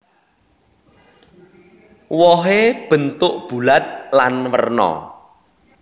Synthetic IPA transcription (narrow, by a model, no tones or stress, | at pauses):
wɔɦeb̥ə̤nt̪ʊʔb̥ṳlat̪̚lanwə̰rnɔ̰